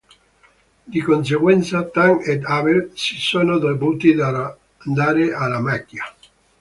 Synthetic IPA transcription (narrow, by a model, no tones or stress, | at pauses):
d̪ikons̬eɡwɛnt̪sat̪aŋed̪avesi̥soːnod̪obuːt̪id̪a | nd̪aːɾealamakːja